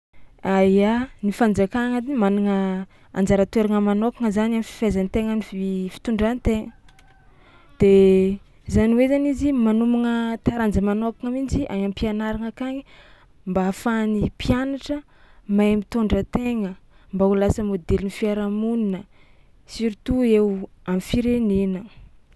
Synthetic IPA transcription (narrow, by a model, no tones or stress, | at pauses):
ajanifand͡zakaŋad̪iimanaŋə | a̰nd͡zaɾat̪weɾaŋəmanokaŋəzanamifi̥fezanit̪eŋənififi̥t̪uɳɖ͡ʐanit̪eŋə | d̪̥e | zaniwezanizimanumaŋət̪aɾand͡zəmanokaŋamind͡ziʔaɲampianaɾaŋakaɲi | mbafanipjanaʈ͡ʂə | mamit̪oɳɖ͡ʐət̪eŋəmbaulasəmod̪elinifiaɾamuninə | siɾit̪uewamifiɾenenə